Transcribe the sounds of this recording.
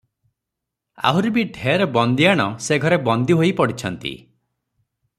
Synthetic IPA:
a̰ɦuɾubiɖʱeɾɔbɔnd̪iaɽ̃ɔseɡʱɔɾebɔnd̪iɦojpɔɽit͡ʃʰɔnt̪ḭ

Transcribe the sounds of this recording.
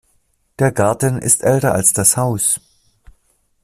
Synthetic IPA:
d̥eːɐɡaɐtn̩ʔɪ̰stʔɛltɐalsd̥ashaʊs

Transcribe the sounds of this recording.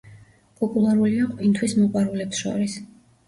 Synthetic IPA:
pʼɔpʼulˠaɾuliaqʼwint̪ʰwismɔqʼwaɾulɛpsʃɔ̰ɾis

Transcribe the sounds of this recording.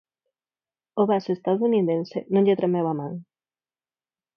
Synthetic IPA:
oβasoest̪aðouniðensḛnõŋʎet̪ɾemewamaŋ

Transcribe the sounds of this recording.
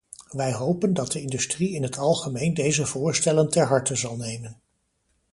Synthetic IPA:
ʋɛjɦowpəndɑt̚dəɪndystriɪnɦətɑlˠχəmejndejzəvʊːɹstɛləntɛɹɦɑɹtəzɑlˠnejmən

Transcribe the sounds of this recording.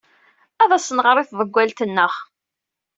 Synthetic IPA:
æðæsənʁəɾˤiθðˤəɡʷːælt̪ənːəχ

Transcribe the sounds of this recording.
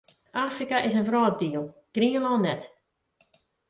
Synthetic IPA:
ʔaːfrikaʔɪsənvrɔːt̚diːəlˠɡ̥riənalˠnɛt

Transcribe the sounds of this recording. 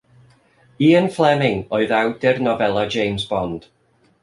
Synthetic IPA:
iːənflˠɛmɪŋɔɨðawdɛrnɔvɛlˠad͡ʒejmzbɔnd̥

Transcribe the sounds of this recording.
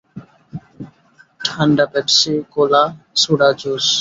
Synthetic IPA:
ʈʰaɳɖapɛpsikoːlaːsuɽaːd͡ʒoːs

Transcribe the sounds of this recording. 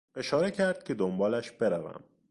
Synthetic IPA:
e̞ʃɒːɾe̞cʰæɾd̪̥̚kcʰe̞d̪ombɒːlæʃb̥e̞ɾævæ̰m

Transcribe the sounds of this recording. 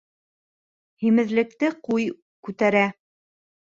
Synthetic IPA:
himɘ̆ðlɘ̆k̚t̪ɘquj | kʉt̪æɾæ

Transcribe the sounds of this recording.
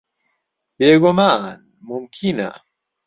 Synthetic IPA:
beɡoman | mumkʰina̰

